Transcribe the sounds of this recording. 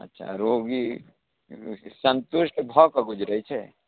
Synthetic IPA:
ɐ̰tːʃʰa̰ɾoːɡi | sənt̪ʊʃʈbʱɔkaɡʊd͡ʒɾəit͡ʃʰɛ

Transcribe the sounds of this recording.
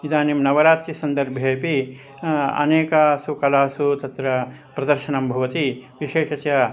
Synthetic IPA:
id̪aːnimnɐʋɐɾaːt̪ɾisɐnd̪ɐɾbʱjeːpi | ɐ̰neːkɐsukɐlaːsut̪ɐt̪ɾɐ | pɾɐd̪ɐɾʃɐnɐmbʱɐʋɐt̪iʋiʃeːʃɐt͡ʃɐ

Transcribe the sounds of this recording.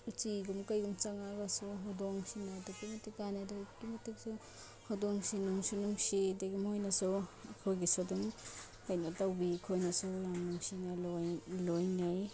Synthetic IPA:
ut͡ʃiɡumkajɡumt͡ʃaŋaɡasuɦɔdɔŋsinadɔkimɐtik̚ːanadɔkimɐtik̚sɔ | hɔdɔŋsinuŋsinuŋsideɡumhojnasuwɐkʰojɡisɔdum | ajnatawbikʰojnɐsuwjamnuŋsinallojnaj

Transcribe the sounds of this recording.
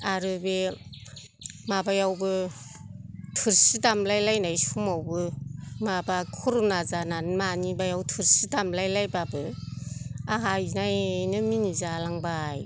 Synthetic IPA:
aɾɯbe | mabajawbɯ | tʰɯɾsitamlajlajnajsumawbɯmabakʰuɾunazananmanibajawtʰɯɾsitamlajlajbabɯ | aɦajnajnɯminizalaŋbaj

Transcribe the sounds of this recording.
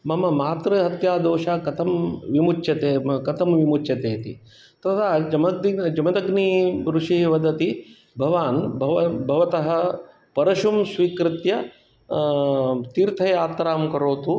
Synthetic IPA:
mɐmɐmaːt̪ɾɐɦɐt̪jaːd̪oːʃaːkɐt̪ʰɐmʋimut͡ʃʃjɐt̪eːkɐt̪ʰɐmʋimut͡ʃjɐt̪eːt̪ḭ | t̪ɐt̪ʰaːd͡ʒɐmɐid͡ʒɐmɐd̪ɐɡniɾuʂiʋɐd̪ʱɐt̪i | bʱɐʋaːnbʱɐʋɐbʱɐʋɐt̪ɐɦɐ̆ | pɐɾɐʃumsʋiːkɾɪt̪jɐ | t̪iɾt̪ʰɐjaːt̪ɾaːmkɐɾoːt̪u

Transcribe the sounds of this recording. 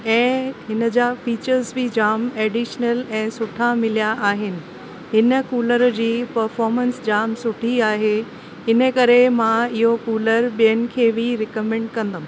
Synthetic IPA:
ɛ̃ːɦɪnə̆d͡ʑaːfiːt͡ɕəɾzbʱɪd͡ʑaːmɛːɖiʃnəlɛ̃ːsʊʈʰamɪlijaʔaːɦɪnɪ̆ | ɦɪnə̆kuːləɾd͡ʑiːpɐɾfɔːɾmə̃nsd͡ʑaːmsʊʈʰiaːɦe | ɪnəkɐɾemãɪɦokuːləɾɓijənɪ̆kʰeːʋɪɾɪkəmɛ̃ːɳɖkɐ̃nd̪əm̃

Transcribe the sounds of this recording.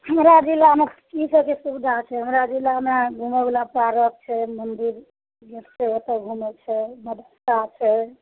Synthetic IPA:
həmɾad͡ʒilamekisəkesubd̪ʱat͡ʃʰɛɦəmɾad͡ʒilameɡʱumebelapɾaɾək̚t͡ʃʰɛmənd̪iɾ | ɡeɾt͡ʃʰeət̪əɡʱumet͡ʃʰɛməd̪ʱəst̪at͡ʃʰɛ

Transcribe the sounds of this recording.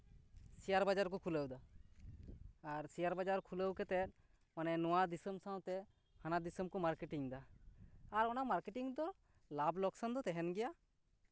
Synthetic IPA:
sijaɾbad͡ʒaɾkɔkʰuləwd̪a | ɾsijaɾbad͡ʒaɾkʰuləwkɛt̪ɛt̪̚ | manɛnɔwad̪isəmsãw̃t̪ɛ | hanad̪isəmkɔmaɾkeʈiŋd̪aː | ɾɔnamaɾkɛʈiŋd̪ɔ | lablɔksand̪ɔt̪ɛɦɛnɡɛja

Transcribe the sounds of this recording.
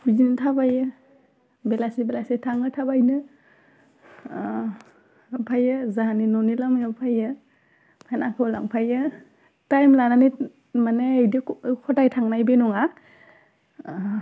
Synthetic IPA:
bizinitʰabajɯ | belasibelasitʰaŋɯtʰabajnɯ | pʰajɯzaɦaninɔnilamjapʰajɯ | pʰajnakʰɯwla̰ŋpʰajɯ | tajmlanani | maneajdikʰɔdajtʰaŋnajbenɔŋa

